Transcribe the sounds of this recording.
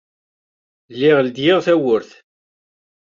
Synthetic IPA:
lːɪʁld̪jɪʁθæwʊɾθ

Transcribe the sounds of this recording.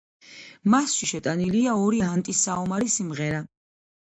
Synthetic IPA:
masʃiʃɛt̪ʼaniliaɔɾiant̪ʼisaɔmaɾisimʁɛɾa

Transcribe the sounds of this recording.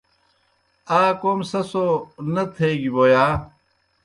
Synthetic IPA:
aːkoːmsɐsonɐt̪ʰeːɡiboːjaː

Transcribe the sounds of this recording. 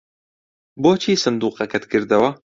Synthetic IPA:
boːt͡ʃʰiːsɨnd̪uːqɐkɐt̪kʰɨɾd̪ɐwɐ

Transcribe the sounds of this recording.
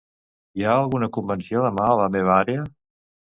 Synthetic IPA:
jaːlˠɣunəkumbənsioðəmaələmeβəaɾeə

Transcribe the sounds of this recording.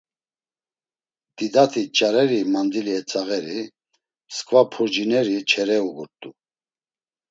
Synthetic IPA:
d̪̥id̪at̪ʰit͡ʃʼaɾɛɾimand̪iliɛt͡sʼaɣɛɾi | skʼvapʰuɾd͡ʒinɛɾit͡ʃʰɛɾɛuɡuɾt̪ʼu

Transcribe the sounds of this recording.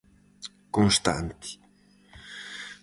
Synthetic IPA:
konst̪a̰nt̪i̥

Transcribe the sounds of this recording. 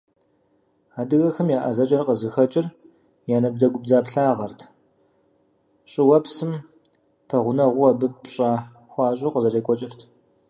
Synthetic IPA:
aːdɨɣɐxɐmjaːʔazɐt͡ʃʼɐrqəzɨxɐt͡ʃʼɪr | jaːnɐb̚d͡zɐɡʷʊb̚zaːpɬaːʁɐrtʰ | ɕʼɪwɐpsɨm | pʰɐʁʷʊnɐʁʷʊɐbɨpɕʼaː | xʷɑːɕʼɪqəzɐreːkʷʼɔt͡ʃʼɪrtʰ

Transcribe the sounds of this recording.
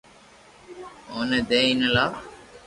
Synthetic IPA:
oːnəd̪eːinəla

